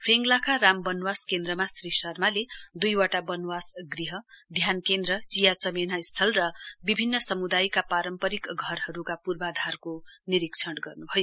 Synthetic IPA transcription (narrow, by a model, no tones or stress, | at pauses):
pʰeŋɡlakaɾambʌnwaskend̪rʌmasɾisʌrmaled̪ujwaʈabʌnwasɡriɦʌ | d̪ʱjankend̪rʌt͡sijat͡sʌmenaist̪ʰʌlrʌbibʱinːʌsʌmud̪ajkapaɾʌmpʌɾikɡʱʌɾɦʌɾukapurbad̪ʱarkoniɾikt͡sʰʌɽɡʌrnubʱʌjo